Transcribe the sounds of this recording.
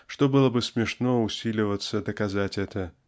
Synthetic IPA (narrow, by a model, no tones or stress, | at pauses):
ʂt̪obɨlˠəbɨsmʲɪʂnoʊsʲilʲɪvət̪səd̪əkazatʲɛt̪ə